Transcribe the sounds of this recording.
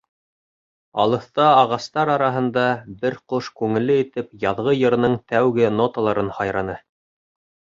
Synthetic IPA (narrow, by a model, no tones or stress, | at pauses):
ɑ̰lˠɤ̆θt̪ɑɑʁɑst̪ɑɾɑɾɑɦɤ̆nd̪ɑbɘɾqoʃkʉŋɘ̆lːɘit̪ɘpjɑðʁɤjɤ̆ɾ̆nɤɴt̪æwɡɘnot̪əlˠɑɾɤnhɑjɾɑnɤ